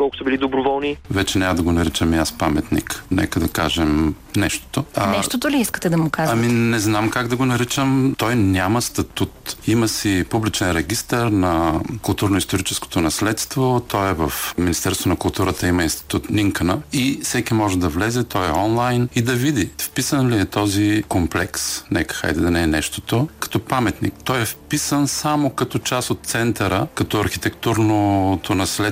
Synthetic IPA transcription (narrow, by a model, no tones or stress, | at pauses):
kɔlˠkʊ̥səbilid̪obɾovɔlˠnivɛt͡ʃɛnʲaməd̪ɐɡonɐɾit͡ʃəmiaspamɛt̪nḭknɛ̰kəd̪ɐkaʒɛm | nɛʃt̪o̥t̪onɛʃt̪ot̪oliiskə̥t̪ɛd̪ɐmʊkaʒɐminɛznamkaɡd̪ɐɡonɐɾit͡ʃəmt̪ɔjnʲaməst̪ɐt̪ut̪iməsipublit͡ʃɛnɾɛɡʲist̪əɾnɐkʊlˠt̪uɾnoist̪oɾit͡ʃɛsko̥t̪onɐslɛt̪st̪vot̪ʰɔjɛvəfminist̪ɛɾst̪vonɐkʊlˠt̪uɾət̪əimɐinst̪i̥t̪ut̪niŋkənəifsɛkimɔʒɛd̪ɐvlɛzɛt̪ɔjɛɔnlˠajnid̪ɐvid̪ifpisənliɛt̪ɔzikomplɛksnɛkə̥xa̰jd̪ɛd̪ɐnɛɛnɛʃt̪ot̪okɐ̥t̪ɔpamɛt̪nḭk̚t̪ɔjɛfpisənsamokɐt̪ɔt͡ʃasot̪̚t̪sɛnt̪ɐɾəkɐt̪ɔɐɾxit̪ɛkt̪uɾnot̪ʰonɐslɛ